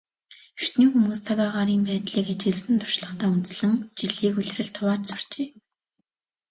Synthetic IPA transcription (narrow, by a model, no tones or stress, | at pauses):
r̥t̪niːxumuːst͡sʰaɣaːʁaːɾiːmpæːt̪ɮiːkat͡ɕɪ̆ɮsɘ̆nt̪ʰʊ̥r̥ʃɮə̆χt̪ʰæːunt͡s̆ɮɘ̆ŋt͡ɕiɮiːkuɮʲrɘ̆ɮt̪ʰʊwaːt͡ɕt͡sʊ̥r̥t͡ɕeː